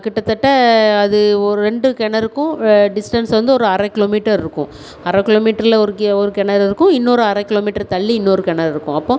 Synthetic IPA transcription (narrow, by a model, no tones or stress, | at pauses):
kɪʈːɐt̪ːɐʈːɐɐðɯɔɾɛɳɖɯkɛɳːɐɾɯkːʊ̃ɖɪsʈɐnsʋɐnd̪ɯɔɾɯɐɾɐkɪloːmiːʈːɐɾɪɾɯkːʊ̰̃ | ɐɾɐkɪloːmiːʈːɐɾɪlɐɔɾɯkɔɾɯkɛɳːɐɾɪɾɯkːʊ̃ɪnːoːɾɯɐɾɐkːɪloːmiːʈːɐɾt̪ɐɭːiɪnːoːɾɯkɛɳːɐɾɪɾɯkːʊ̃ɐpːõː